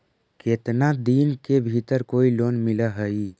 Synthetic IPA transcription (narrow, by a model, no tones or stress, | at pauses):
keːt̪nad̪iːnkebʱit̪əɾkoːiloːnmɪlaɦəiː